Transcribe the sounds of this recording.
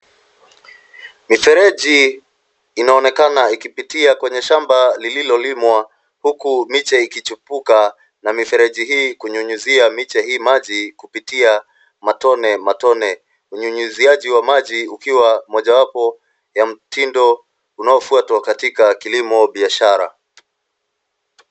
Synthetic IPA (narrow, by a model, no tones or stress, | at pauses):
mifɛɾɛʄiː | naɔnɛkanaikipitiakwɛɲɛʃambalililɔlimwa | hukumit͡ʃɛikit͡ʃupuka | namifɛɾɛʄiɦiːkuɲuɲuziamit͡ʃɛhiːmaʄikupitia | matɔnɛmatɔnɛ | uɲuɲuziaʄiwamaʄiukiwamɔʄawapɔ | jam̩tindɔ | unaɔfuatwakatikakilimɔɓiaʃaɾa̰